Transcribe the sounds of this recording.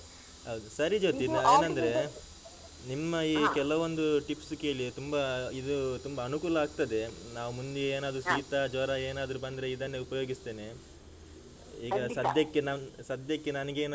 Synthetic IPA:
ɦɐwd̪usɐɾid͡ʒoːt̪ieːnɐnd̪ɐɾe̞ | nimːɐiːkɛlɐʋond̪uʈipsuke̞ːɭit̪umbɐid̪ut̪umbɐːnukuːlɐaːɡ̚t̪ɐd̪e̞naːʋumund̪eeːnaːd̪ɾusiːt̪ad͡ʒɔɾaeːnaːd̪ɐɾubɐnd̪ɾe̞id̪ɐnːe̞upɐjo̞ːɡist̪e̞ːne | iːɡɐsɐd̪jɐkːenɐsɐd̪jɐkːenɐnɐɡeːn

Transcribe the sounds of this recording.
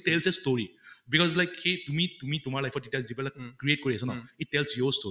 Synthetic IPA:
tɛlsɛstoɹibikɔzlajkhetumitumitʊmaɹlajpʰɔt̚ditijazipɛlakkɹiet̚koɹiasɔnaitːɛlsjɔsto

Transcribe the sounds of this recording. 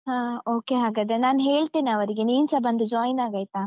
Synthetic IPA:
ɦãːoːkeɦaːɡad̪enaːnɦeːɭt̪iːnɐʋɐɾiɡeniːnsɐbɐnd̪ud͡ʒaːjnaːɡaːjt̪a

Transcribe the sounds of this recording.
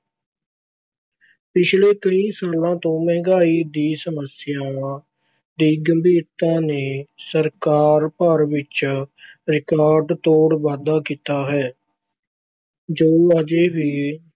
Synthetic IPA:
pɪt͡ʃʰleːkəĩːsaːlãːt̪õːmɛ̃ːŋɡaːiːd̪iːsəməsɪjaːʋãː | d̪iːɡəmbiːɾt̪ãːneːsəɾkaːɾpəɾʋɪt͡ʃ | ɾɪkaːɾɖt̪oːɽʋaːd̪aːkiːt̪aːɦɛː | d͡ʒoːəd͡ʒeːʋiː

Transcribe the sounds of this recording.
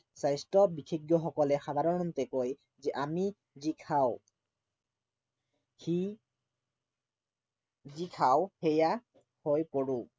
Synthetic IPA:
sajstɔbikʰeɡjɔxɔkɔlɛxad̪ʱaɹɔnɔnt̪ɛkoj | zɛʔami | zikʰaw | hi | zikʰawheja | hojpoɹũ

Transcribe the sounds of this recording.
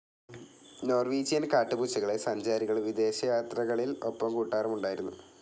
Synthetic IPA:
no̞ːrʋiːd͡ʑijɐnkaːʈːɨbut͡ɕːɐɣɐɭesɐɲd͡ʑaːɾiɣɐɭʋid̪e̞ːɕɐjaːt̪rɐɣɐɭilo̞pːɐmkuːʈːaːrɐmuɳɖaːjiɾunːu

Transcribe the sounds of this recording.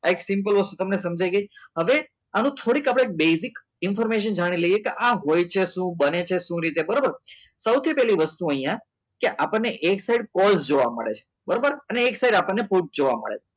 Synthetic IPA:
aeksɪmp̬əlʋəst̪ut̪əmnesəmd͡ʒajɡəjɦəʋe | anũt̪ʰoɽikapɽeek̚besik | ɪnfɔɾmeʃ̬ənd͡ʒaɽ̃iləijekeʔãɦojt͡ʃʰeʃũbənet͡ʃʰeʃũɾit̪ebəɾobəɾsəwt̪ʰipɛliʋəst̪uəɦijã | keʔapəɳneʔeksaiɖkɔlsd͡ʒoʋa̰mə̰ɭḛt͡ʃʰe̥ | bəɾobəɾəneːksaiɖapəɳːepuʈ̚d͡ʒoʋa̰mə̰ɭḛt͡ʃʰe

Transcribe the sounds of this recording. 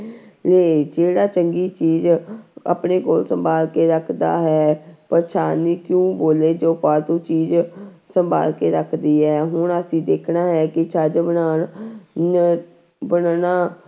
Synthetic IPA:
leːd͡ʒeːɽaːt͡ʃəŋɡiːt͡ʃiːza̰pɳeːkoːlsəmbaːlkeːɾəkʰd̪a̰ːɦɛːpəɾt͡ʃʰaːniːkjũːboːleːd͡ʒoːpaːɾt̪ũːt͡ʃiːz | səmba̰ːlkeːɾəkʰd̪iːɦɛːɦʊɳəsĩːd̪eːkʰnaːɦɛːkɪt͡ʃʰəːd͡ʒbənaː | bənanaː

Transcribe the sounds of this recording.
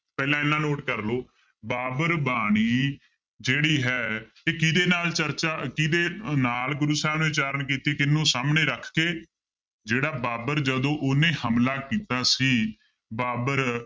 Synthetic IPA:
pɛːlãːɪnːãːnoːʈkəɾloː | baːbəɾbaːɽ̃iː | d͡ʒeːɽiːɦɛːt̪eːkɪd̪eːnaːlt͡ʃəɾt͡ʃaːkɪd̪eːnaːlɡʊɾuːsaːnũːɪt͡ʃaːɾəɳkiːt̪iːkɪnːũːsaːmneːɾəkʰkeː | d͡ʒeːɽaːbaːbəɾd͡ʒəd̪õːʔʊnẽːhəmlaːkiːt̪aːsiː | baːbəɾ

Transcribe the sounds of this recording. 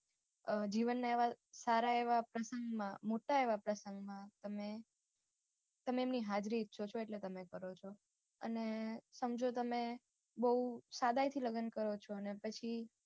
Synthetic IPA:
d͡ʒiʋənːaeʋasaɾaeʋapɾəsəŋɡmãmoʈaeʋapɾəsəŋɡmãt̪əme | t̪əmeːmniɦad͡ʒɾiːt̪ʃʰot͡ʃʰoeʈlet̪əmekəɾot͡ʃʰo | ə̰nesəmd͡ʒot̪əme | bəusad̪ajt̪ʰiləɡənkəɾot͡ʃʰoənepət͡ʃʰi

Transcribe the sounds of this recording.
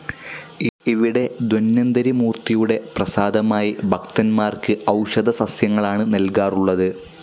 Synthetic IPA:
iʋiɽe̞d̪wɐnːɐnd̪ɐɾimuːrt̪ijuɽe̞prɐsaːd̪ɐmaːjibʱɐkt̪ɐnmaːrkɨʔɐwʂɐd̪ʱɐsɐsjɐŋːɐɭaːɳɨnɐlkaːruɭːɐðɨ

